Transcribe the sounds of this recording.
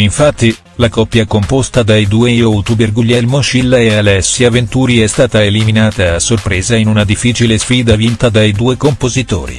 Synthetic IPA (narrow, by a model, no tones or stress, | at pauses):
iɱfat̪ːi | lakɔpːjakompost̪ad̪ajd̪uːejowt̪uberɡuʎːɛlmoʃilːaealɛsːiavent̪uːɾiɛst̪aːt̪aeliminaːt̪aːsːorpɾeːzainunad̪ifːiːt͡ʃilesfiːd̪avint̪ad̪ajd̪uːekompozit̪o̰ːɾḭ